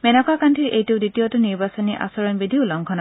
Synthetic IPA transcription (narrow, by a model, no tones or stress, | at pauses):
mɛnɔkakantʰiɹʔejtuʊditiɔtʊniɹbasɔniʔa̰sɔɹɔnbidʱiʊlɔŋkʰɔna